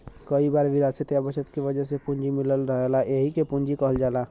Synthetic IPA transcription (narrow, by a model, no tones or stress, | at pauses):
kəibaːɾʋɪɾaːd̪set̪jabəʃət̪kiʋəd͡ʒəsepund͡ʒimɪləlɾəɦelaʔeɦikepund͡ʒikəɦəld͡ʒaːla